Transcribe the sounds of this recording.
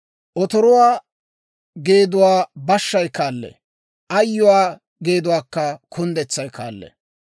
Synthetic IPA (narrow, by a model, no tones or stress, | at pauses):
ʔɔt̪ɔɾʊwaː | ɡe̞ːd̪ʊwaːbɐʃːɐjkaːlːɛ̰ | ʔɐjːʊwaː | ɡe̞ːd̪ʊwaːkːɐkʰʊnd̪ɛt͡sːɐjka̰ːlːɛ̰